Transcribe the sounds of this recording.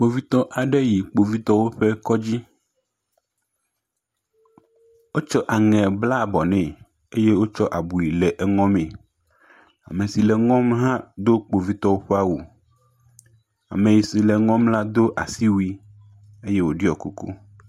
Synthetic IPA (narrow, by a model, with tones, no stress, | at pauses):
k͡po˨vi˦t̪ɔ˦ʔa˨ɖɛ˦ji˨k͡po˨vi˦t̪ɔ˦wo˦ɸɛ˦kɔ˦d͡ʑi˦ | wo˦t͡ʃɔ˦ʔa˨ŋɛ̃˨bla˦˨bɔ˨nɛ̃˨ | e˦je˦wo˦t͡ʃɔ˦ʔa˨bu˨ji˨lɛ˨ʔɛ˨ŋɔ̃˦mẽ˨ | a̰˨me˨si˨lɛ˨ŋɔ̃˦mɦã˦d̪o˦k͡po˨vi˦t̪ɔ˦wo˦ɸe˦a˦wu˨ | a̰˨mẽ˨ji˨si˨lɛ˨ŋɔ̃˦mla˦d̪o˦ʔa˨si˦wu˦i˦ | e˦je˦wo˨ɖi˦ɔ˨ku˦kṵ˦